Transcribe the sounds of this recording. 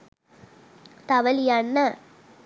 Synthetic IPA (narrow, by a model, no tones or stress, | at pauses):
t̪ɐʋɐljɐnːɐ